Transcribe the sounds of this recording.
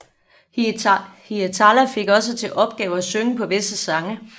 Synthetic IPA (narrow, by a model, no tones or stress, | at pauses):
hit͡sʰɑlæfe̝ɡ̥ɒ̽s̬ət͡sʰe̝lʔɒ̽b̥̚ɡ̥ɛːʊæsøŋəpʰɒ̽ʋe̝səsɑ̈ŋə